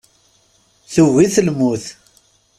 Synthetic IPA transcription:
θuɣiθəlmuθ

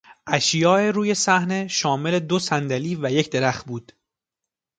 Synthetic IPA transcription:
ʔæʃjɒːeɾuːje̞sæhne̞ʃɒːme̞le̞d̪o̞sænd̪æliːvæje̞cʰd̪e̞ɾæxt̪̚buːd̪̥

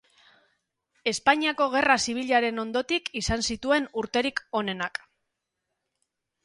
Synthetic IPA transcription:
e̞spaɲiako̞ɣ̞e̞rasiβ̞iʎaɾe̞no̞nd̪o̞t̪ikisansit̪ue̞nuɾt̪e̞ɾiko̞ne̞nak

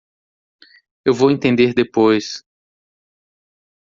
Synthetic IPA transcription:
ewvowẽnt̪ẽnd̪eɾd̪epojs

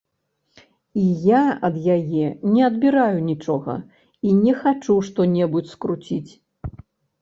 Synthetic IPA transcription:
ijaɐd̪jajɛnʲɛɐd̪bʲiɾajunʲit͡ʂɔɣɐ̰ | inʲɛxat͡ʂuʂt̪ɔnʲɛbut͡sʲskɾut͡sʲit͡sʲ

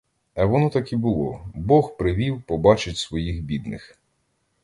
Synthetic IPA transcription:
ɐʋɔnɔt̪ɐkibʊlˠɔbɔxpɾɪʋʲiwpɔbɑt͡ʃɪtʲsʋɔjixbʲid̪nɪx

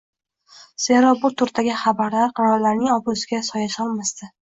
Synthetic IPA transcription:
se̞ɾɒbʊt̪ʰʊɾt̪aɡʲɪχabaɾlaɾqʰʊɾɒɾlaɾnɪŋɒbʊsɪɡʲasɒjaʃɒlˠmasd̪ɪ

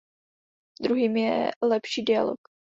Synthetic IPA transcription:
d̪ɾuɦiːmjɛlɛpʃiːdɪa̰lo̰k

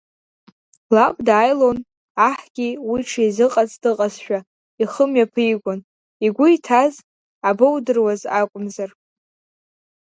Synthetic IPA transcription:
lapʼdaːjlon | aħɡ̥ʲiwiʈ͡ʂʰaizɨqʼat͡sʼdɨqʼazʃᶣa | iχəmɥapʰɨiɡʷʊn | iɡʷʊitʰaz | abɨwdɨrwazakʷʼʊmzar

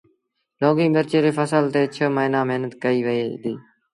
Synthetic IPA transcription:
loːɡĩːbəɾt͡ʃeːɾeːfəsəlt̪eːt͡ʃʰəməɪnãːməɦnət̪kəiːʋəeːd̪iː

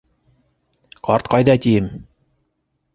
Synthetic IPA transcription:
qɑɾt̪qɑjðɑt̪ijɘm

